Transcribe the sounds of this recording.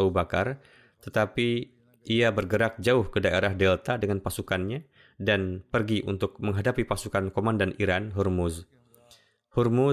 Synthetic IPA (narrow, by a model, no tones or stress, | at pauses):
aubakar | t̪ət̪api | ʔiabərɡəɾak̚d͡ʒaʊhkədaeɾahdɛlt̪adəŋanpasukanɲa | danpərɡiʔunt̪ʊk̚məŋɦadapipasukankomandanʔiɾanɦurmʊz | hurmu